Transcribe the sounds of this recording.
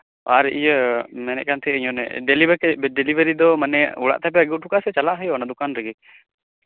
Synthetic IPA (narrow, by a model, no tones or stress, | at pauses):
aɾɛʔijəmɛnɛ̰ʔ̚kant̪ʰɛəiɲɔnɛ̰ɖɛlibɖɛlibəɾid̪ɔmanɛuɽa̰ʔt̪ap̬ɛəɡiw̚ʈʰukasɛt͡ʃalaʔɦəjɔnad̪ukanɾəɡɛ